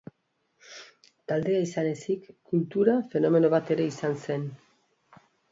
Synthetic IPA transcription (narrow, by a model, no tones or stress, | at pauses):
t̪ald̪e̞aisane̞sikkːult̪uɾafe̞no̞me̞no̞βat̪e̞ɾe̞isanse̞n